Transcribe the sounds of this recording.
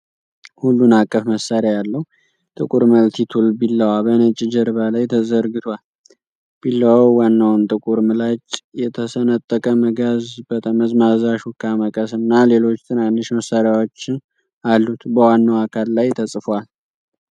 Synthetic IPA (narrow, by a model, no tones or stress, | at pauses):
hulːunakʼːəfməsaɾjajalːəhu | t̪ʼɨkʼuɾməlt̪ʰit̪ʰulbilːəwabənət͡ʃʼɪd͡ʒəɾβalajt̪ʰəzəɾɡɨt̪ʰwal | b̥ilːawawwanːawnt̪ʼɨkʼuɾmɨlat͡ʃʼjɛt̪ʰəsənət̪ʼːəkʼəməɡazbət̪ʼaməzmazaʃukʰːaməkʼəsɨnːale̞lo̞t͡ʃːt̪ʰɨnanːɨʃməsːaɾjawo̞t͡ʃːɪn | alːut̪bəwanːawakʰalːajt̪ʰəsʼfwal